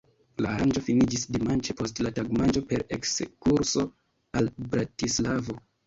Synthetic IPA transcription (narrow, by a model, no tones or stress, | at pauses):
laːɾand͡ʒo̞finid͡ʒisdimant͡ʃepo̞stlataɡmand͡ʒo̞pe̞ɾekskuɾso̞ | albɾatislavo̞